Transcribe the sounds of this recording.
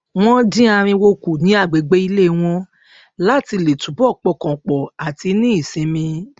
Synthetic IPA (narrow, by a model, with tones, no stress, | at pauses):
w̃ɔ̃˦dĩ˦a˧ɾ̃ĩ˧wo˧ku˨nĩ˨˦a˦˨ɡ͡be˨ɡ͡be˨˦i˧le˦˨w̃ɔ̃˧ | la˦ti˧le˨tũ˨˦bɔ˦˨k͡pɔ˨˧˨kɔ̃˨k͡pɔ˨a˨ti˧˦nĩ˦i˦˨sĩ˨˧mĩ˧